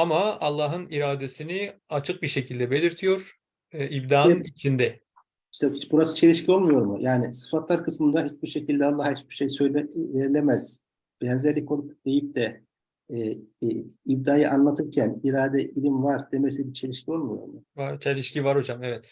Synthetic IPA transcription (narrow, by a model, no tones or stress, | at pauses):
amaalˠːaːɦɯniɾaːd̪esini | at͡ʃʰɯk̚biɾʃe̞cʰilʲd̪ɛbe̞lʲiɾt̪ʰijo̞ɾ̥ | ibd̪aːnit͡ʃʰind̪ɛ | iʃt̪ɛbuɾasɯ̥t͡ʃʰe̞lʲiʃcʰio̞lˠmujo̞ɾmṵjʔaːnisɯ̥fat̪lˠaɾkɯsmɯnd̪aɦit͡ʃbiɾʃecilʲd̪ɛalˠːahhit͡ʃbiɾ̥ʃe̞jsøjlʲɛve̞ɾilʲemɛz̥ | b̥ɛnzæɾlʲikʰolˠupd̪e̞jip̚d̪ɛ | ib̚d̪aːjɯʔanlˠat̪ʰɯɾcʰæniɾaːd̪ɛʔilʲimvaɾd̪e̞mesibit͡ʃʰe̞lʲiʃcʰio̞lˠmujo̞̰ɾmʊat͡ʃʰelʲiʃcivaɾod͡ʒamɛvɛt̪